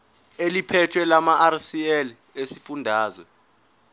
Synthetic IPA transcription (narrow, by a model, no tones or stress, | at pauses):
elipʰɛtʰwɛlamaʔarsiɛl | esifundʱaːzwɛ